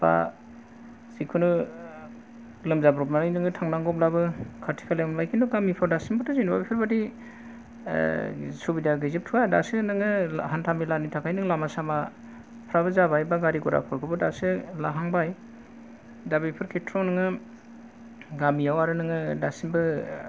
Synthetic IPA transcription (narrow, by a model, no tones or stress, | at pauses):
b̥a̰ | zikʰɯnu | lɯmzabɾɔp̚nanajnɯŋɯtʰaŋnaŋɡɔplabɯkʰaɾtʰi̥kʰalamlajkʰindɔɡamipʰɔɾdasimbɯtʰɯzinbabipʰɯɾbadi | subidaɡɯjzɯp̚tʰuadasɯnɯŋɯhantʰamilanitʰakʰajnɯŋlamasama | pʰɾabɯzabajbaɡaɾiɡɔɾa̰pʰɯɾkʰɯbɯdasɯlaɦaŋbaj | dabɯjpʰɯɾkʰetʰɾɔnɯŋɯ | ɡamijawaɾɯnɯŋɯdasimbɯ